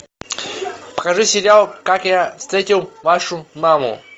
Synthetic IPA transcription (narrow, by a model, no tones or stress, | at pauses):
pə̥xɐʐusʲɪɾʲɪalˠkakjafst̪ɾʲetʲɪlˠvaʂʊmamʊ̰